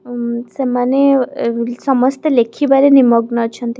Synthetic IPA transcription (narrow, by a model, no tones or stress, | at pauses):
semane | sʌmʌst̪elekʰibaɾenimʌɡnʌt͡sʰʌnt̪i